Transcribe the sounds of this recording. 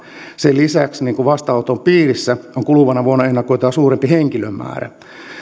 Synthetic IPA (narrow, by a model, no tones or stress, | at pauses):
selisæksniːŋkuʋɑst̪ɑɑwt̪ompiːrisːæoŋkuluʋɑnɑʋuonːɑenːɑkoit̪ɑɑsuːrempiɦeŋkilømːæ̰ːɾæ̰